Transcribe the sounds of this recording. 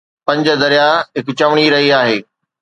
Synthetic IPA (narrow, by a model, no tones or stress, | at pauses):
pɐ̃ɲd͡ʑə̆d̪ɐɾijaɦɪkʊt͡ɕɐʋɽ̃iɾɐɦiaːɦeː